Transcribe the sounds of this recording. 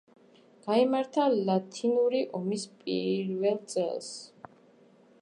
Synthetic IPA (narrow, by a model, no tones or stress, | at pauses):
ɡ̥aimaɾt̪ʰalat̪ʰinuɾiʔɔmispʼḭɾvɛlˠt̪sʼɛ̰lˠs